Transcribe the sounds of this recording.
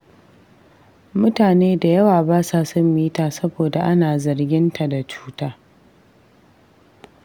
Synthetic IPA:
mʊ˦taː˨neː˦da˨jɐ˦waː˨baː˦saː˦sɐ˦mːiː˦taː˦sɐ˦boː˨da˨ʔa˦naː˨zɐ˨rɡʲɪ˦nta˨da˨t͡ʃu̥ː˦taː˦

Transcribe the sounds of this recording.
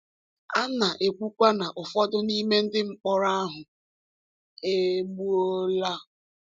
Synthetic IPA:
a˦na˨ʔe˨kʷu˦kʷa˦na˨ʔʊ˨fɔ˦dʊ˦ni˦me˦n̩˦dɪ˦ŋ͡m̩˨k͡pɔ˦ɾa˦a˦ɦʊ˨ | e˦ɡ͡bu˦o˦la˦

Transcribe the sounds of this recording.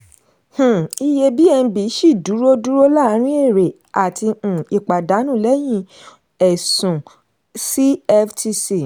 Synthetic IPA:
h̩˨i˧je˧bi˦ɛ˧ñ̩˧˦bi˨˦ʃi˦˨du˨˦ɾo˦du˦ɾo˦la˦˧˦ɾ̃ĩ˦e˦˨ɾe˨ | a˨tʰĩ˧˨i˨k͡pa˨da˨˦nũ˦˨lɛ˨˦j̃ĩ˦˨ | ɛ˨sũ˨ | si˦ɛ˦fti˦si˦˨

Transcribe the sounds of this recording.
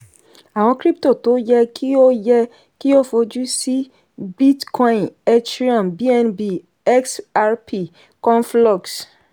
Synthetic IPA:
a˨wɔ̃˧kɾi˦p̚to˦˨to˨˦jɛ˦kʰi˦o˦jɛ˦ | ki˦o˦fo˨˦d͡ʒu˦si˦ | bi˦tkʰɔ̃˦ĩ˨ne˦tɾi˦ɔ̃˨mbi˦ɛ˦nbi˦˨ | ɛ˦ksa˦ɹpʰi˨ | kɔ̃˦nflɔ˦˨ks

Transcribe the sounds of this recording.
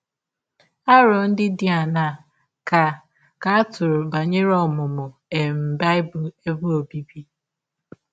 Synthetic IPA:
a˦ɾɔ˨n̩˦dɪ˦dɪ˦a˨na˦˨ | ka˨ | ka˨a˦tʊ˨ɾʊ˨ba˨ɲe˦ɾɔ˦mʊ˨mʊ˨e˨m̩˨ba˦ɪ˦bʊ˨e˦bʊ˦o˨bi˦bi˦

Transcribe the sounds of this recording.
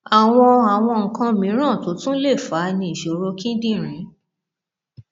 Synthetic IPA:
a˨w̃ɔ̃˧a˨w̃ɔ̃˧ŋ̩˨kã˧mĩ˨˦ɾ̃ã˦˨to˨˦tũ˦le˦˨fa˨˦nĩ˧i˨ʃo˨˦ɾo˧kĩ˦dĩ˦˨ɾ̃ĩ˨˦

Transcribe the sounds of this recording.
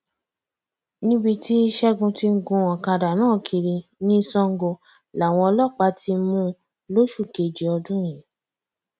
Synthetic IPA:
nĩ˦bi˧ti˦i˦ʃɛ˦ɡũ˧ti˧ŋ̩˦ɡũ˧ɔ̃˨ka˧da˨nãː˦˨kʰi˧ɾi˧nĩ˦˧sɔ̃˧˦ŋ̩˦ɡo˧ | la˨w̃ɔ̃˧ɔ˧lɔ˦˨k͡pa˧˦ti˧mũ˧˦ | lo˦ʃu˦˨ke˨d͡ʒi˨˦ɔ˧dũ˦j̃ĩ˨

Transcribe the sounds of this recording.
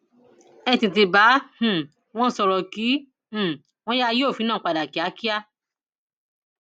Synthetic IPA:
ɛ˧˨tĩ˨t̬i˧ba˨˦h̩˨ | w̃ɔ̃˦sɔ˧ɾɔ˨kĩ˨˦˨ | w̃ɔ̃˦ja˦˧joː˦˨fi˨˦nãː˦˨˦k͡pa˨da˨ki˨˦a˨˦ki˦a˦

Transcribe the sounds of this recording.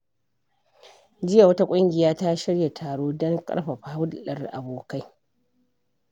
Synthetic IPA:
d͡ʒɪ˦ja˨wɐ˦ta˦kʷʼʊ˦ŋɡʲɪ˨jaː˦ta˦ʃɪ˦ɽja˨tʰaː˨ɽoː˦dɔ˦ŋkʼɐ̰˦ɽɸa˨ɸa˦wʊ˦dɗɐ˦˨rʔa̰˨boː˨ka˦j

